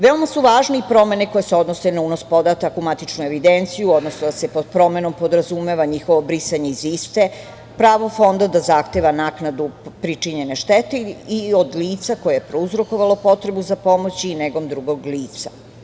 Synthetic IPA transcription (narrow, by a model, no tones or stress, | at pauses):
ʋeo̞masuʋaːʒneipɾo̞me̞ne̞ko̞jeseo̞d̪nosenaunospo̞d̪at̪akumat̪it͡ʃnue̞ʋid̪ent̪sijuod̪nosnod̪asepod̪̚pɾo̞me̞no̞mpo̞d̪ɾazumeʋaɲixo̞ʋobɾisaɲeizist̪e | pɾaːʋofo̞nd̪ad̪azaxt̪eʋanaknad̪upɾit͡ʃiɲe̞neʃt̪et̪eiod̪liːt̪sako̞jejepɾouzɾo̞ko̞ʋalo̞po̞t̪ɾe̞buzapo̞mot͡ɕiːneɡo̞md̪ɾuɡo̞ɡliːt̪sa